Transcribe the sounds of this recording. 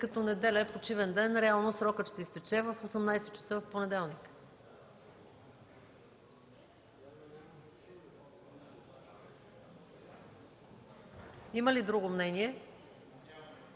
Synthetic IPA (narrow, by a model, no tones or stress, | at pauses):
kɐt̪ɔnɛd̪ɛlʲɛɛpot͡ʃivɛnd̪ɛnɾɛalˠnosɾɔkət̪ʃt̪ɛist̪ɛt͡ʃɛvəfosɛmnajsɛtt͡ʃɐ̥sɤvɐfponɛd̪ɛlˠnik | iməlid̪ɾuɡomnɛniɛ